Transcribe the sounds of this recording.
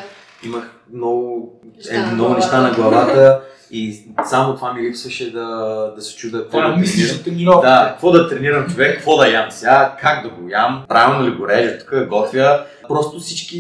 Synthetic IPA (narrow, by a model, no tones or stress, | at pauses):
iməx | mnɔɡʊɛmnɔɡʊnɛʃt̪anɐɡlˠɐvat̪ə | isamot̪vamilipsvəʃɛd̪ɐd̪ɐsɛ̥t͡ʃud̪əkvɔdt̪id̪akvɔd̪ɐt̪ɾɛniɾɐmt͡ʃovɛkːkvɔd̪ɐjamsʲjakaɡd̪ɐɡojampɾavilˠnʊlʲiɡʊɾɛʒət̪u̥kəɡɔt̪vʲjə | pɾɔst̪ʊfsit͡ʃki